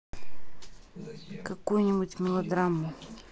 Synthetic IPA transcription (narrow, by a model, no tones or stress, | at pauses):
kɐkujnʲɪbutʲmʲɪlˠɐd̪ɾamːʊ